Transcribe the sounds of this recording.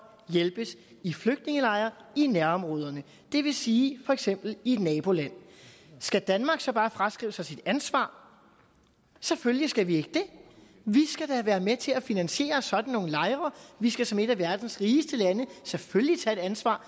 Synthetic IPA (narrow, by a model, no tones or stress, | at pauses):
jelb̥əs | ifløɡ̥̚d̥ne̝ŋəlɑ̈ɪɐinæɐɒ̽mʁɔ̽ːð̞ˠɐnə | d̥e̝ʋe̝siːfɒ̽eɡ̥sem̰b̥l̩id̥nɛːb̥o̝læn̰ | sɡ̥æd̥ænmɑ̈ːɡ̥sɒ̽b̥ɑ̈ːfʁɑsɡ̥ʁḭːʊəsɑ̈ɪsid̥ænsʋɑ̰̈ː | seføljisɡ̥æʋie̝ɡ̥əd̥e̝ | ʋisɡ̥æd̥æʋæːɐmet͡sʰe̝læfinænɕe̝̰ːɐsɒ̽d̥n̩ːo̝ːŋn̩lɑ̈ɪʁɐʋisɡ̥æsɒ̽me̝ɾ̥æʋæɐd̥n̩sʁiːsd̥əlænəseføljit͡sʰɛe̝d̥ænsʋɑ̰̈ː